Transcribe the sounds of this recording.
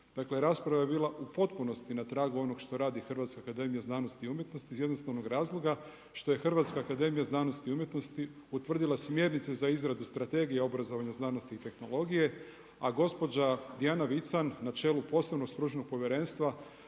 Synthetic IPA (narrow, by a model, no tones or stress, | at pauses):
d̪̥akleɾaːspɾaʋajebiːlˠaʔupo̞t̪puno̞st̪inat̪ɾaːɡuo̞no̞ɡʃt̪o̞ɾaːd̪ixr̩ʋat̪skakad̪e̞mijaznaːno̞st̪iumjet̪no̞st̪izjed̪no̞st̪aʋno̞ɡɾaːzlˠo̞ɡa | ʃt̪o̞je̞xr̩ʋat̪skaːkad̪e̞mijaznaːno̞st̪iumje̞t̪no̞st̪i | ut̪ʋr̩d̪ilˠasmje̞ɾnit̪sezaizɾad̪ust̪ɾat̪e̞ɡijeo̞bɾazo̞ʋaɲaznaːno̞st̪iːt̪e̞xno̞lˠo̞ɡije̞ | aɡo̞spo̞d͡ʑad̪iaːnaʋit̪sanːat͡ʃe̞ːlupo̞seno̞ɡst̪ɾut͡ʃno̞ɡ̚po̞ʋjeɾe̞ːnst̪ʋa